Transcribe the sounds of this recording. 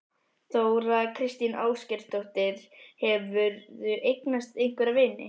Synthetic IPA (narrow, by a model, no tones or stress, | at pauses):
θoːwɾakʰɾɪst̪inʔa̰ːwscɛr̥t̪owht̪ɪɾ̥hɛvʏɾðʏʔejknast̪ejŋ̥kvɛɾavɪːnɪ̰